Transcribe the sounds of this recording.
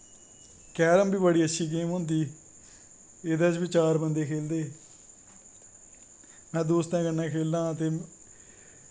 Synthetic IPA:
kɛːɾəmbiːbəɽiːətːʃʰiːk̬eːmɦʊ̃ːnd̪iː | ɪd̪ãːt͡ʃbit͡ʃaːɾbənd̪eːkʰeːld̪eː | mɛ̃ːd̪oːst̪ɛ̃ːkənːɛ̃ːkʰeːld̪ãːət̪eː

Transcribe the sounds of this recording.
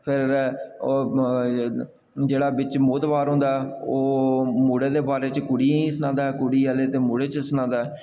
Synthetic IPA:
pʰɪɾ | d͡ʒeːɽaːbɪt͡ʃmoːt̪ʋaːɾɦʊ̃ːnd̪aːɛoːmuːɽeːd̪eːbaːɾeːt͡ʃkʊɽiːsənãːd̪aːɦɛkʊɽiːaːleːt̪eːmuːɽeːt͡ʃsənãːd̪aːɦɛː

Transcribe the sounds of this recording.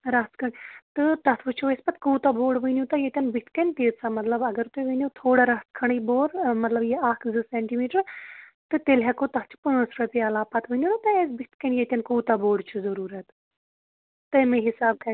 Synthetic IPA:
ɾɐskʰɐɳt̪ɨt̪ɐt̪ʰʋɨt͡ʃʰoːespɐt̪̚kuːt̪aboːɖʋənjũːt̪ajet̪ʲɐnbit̪ʰkɐnt̪eːɾsamɐt̪ləbɐɡəɾt̪ueʋɐnot̪ʰoːɽaɾɐt̪kʰɐɳiboːɾmɐt̪ləbjeaːkʰzɨsɛːɳʈiːmiːʈəɾt̪ɨt̪elɦɛkot̪ɐt̪̚ʰt͡ʃʰu̥punəsɾɐpiaːlaːpɐt̪ʰʋənoːnat̪ɐesbit̪kɐnjet̪ʲɐnkuːt̪aboːɖt͡ʃʰuzɐɾuːɾət̪ | t̪ɨmẽɦɪsaːb̚kʰɐ

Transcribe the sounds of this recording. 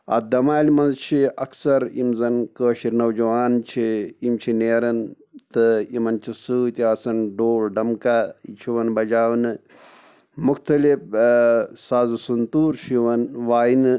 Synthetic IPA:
ɐ̰d̪ɐmaːlimɐnzt͡ʃʰiɐksɐɾḭmzɐnkəːʃiɾnɐwd͡ʒɐʋaːnt͡ʃʰiimt͡ʃʰineːɾɐn | t̪ɨimɐnt͡ʃʰisuːt̪iɐsɐnɖoːlɖɐmkaḭt͡ʃʰiʋɐnbɐd͡ʒaːʋnɨ | muxt̪ɐlif | saːzusunt̪uːɾt͡ʃʰiʋɐnʋaːjinɨ

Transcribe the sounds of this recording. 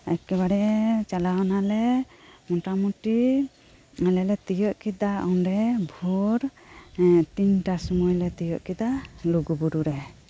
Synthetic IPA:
akɛβaɽɛt͡ʃalaɔnalɛmɔʈamuʈi | alɛlɛt̪ijɔʔkid̪aʔɔnɾɛbʱuɾ | t̪iɲʈasɔmɔjlɛt̪ijɔʔkid̪aluɡubuɾuɾɛ

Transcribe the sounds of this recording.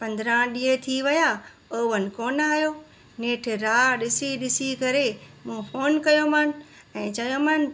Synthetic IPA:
pɐ̃nd̪ɾãɗĩːə̃t̪ʰiʋɐja | oːʋənɪ̆koːnaːɦijoː | neːʈʰɾaːɗɪsiɗɪsikɐɾemũːfoːnkɐjoman | ɛ̃ːt͡ɕɐjomaːn

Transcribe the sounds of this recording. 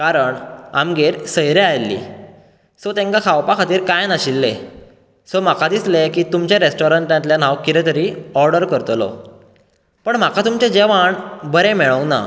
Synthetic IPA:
kaɾəɳa̰mɡeɾsəjɾeajlːḭ | sot̪ẽŋkakʰawpakʰat̪iːɾkajnaɕilːe | sɔm̤akad̪islekiːt̪umt͡ɕjaɾesʈɔɾəɳʈjãt̪ljan̤awkiɾet̪əɾiːɔɾɖəɾkəɾt̪lɔ̰ | pəɳm̤akʰat̪umt͡ɕed͡ʑeʋaɳbəɾemɛɭəwna̰

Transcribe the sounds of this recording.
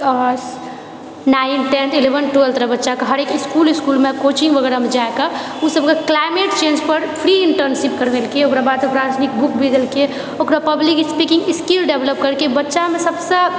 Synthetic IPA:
as | nainʈenilebənʈuelt̪əɾəbətːʃakaɦəɾekiskuliskulmekot͡ʃĩŋɡʋəɡɛɾamed͡ʒaekausəbkeklajmeʈt͡ʃẽːnd͡ʒpəɾpʰɾiɪɳʈəɾnsipkəɾʋelkeokɾabad̪səpɾad͡ʒnikbukbʱid̪əlke | okɾapəblikispikĩŋɡɪskilɖebləp̚kəɾkebətːʃamesəbsə̃

